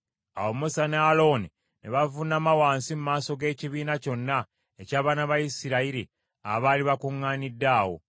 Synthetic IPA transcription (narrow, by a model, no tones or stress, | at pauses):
a̰womusanealo̞ːni | neβavunamawaːnsimumaːso̞ɡe̞ːciβiːnaco̞nːa | ecaːβaːnaβajisiɾaiɾi | aβaːliβakuŋːaːnidːaːwo̞̰